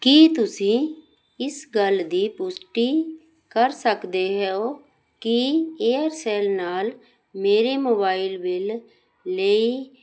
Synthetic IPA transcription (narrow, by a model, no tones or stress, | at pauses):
kiːt̪ʊsĩː | ɪsɡəld̪iːpʊsʈiː | kəɾsəkd̪eːɦɛːoː | kɪeːəɾsɛːlnaːl | meːɾeːmoːbaːɪlʋɪlː | ei